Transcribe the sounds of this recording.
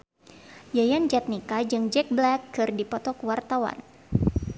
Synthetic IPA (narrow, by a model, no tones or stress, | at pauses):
jajand͡ʒat̪̚nikad͡ʒɨŋd͡ʒɛk̚blɛkːɨrdipɔt̪ɔkwart̪awa̰n